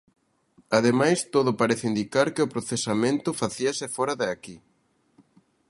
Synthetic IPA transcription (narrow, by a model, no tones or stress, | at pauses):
aðemajst̪oðʊpaɾeθɪind̪ikaɾkɪʊpɾoθesamẽnt̪ʊfaθiasɪfɔɾɐðeaki